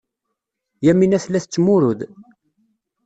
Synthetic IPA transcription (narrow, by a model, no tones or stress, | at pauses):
jæminæθlæθət͡sːmʊɾʊð